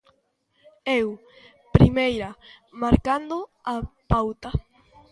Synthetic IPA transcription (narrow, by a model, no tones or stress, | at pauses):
ew | pɾimejɾamaɾkand̪oapawt̪a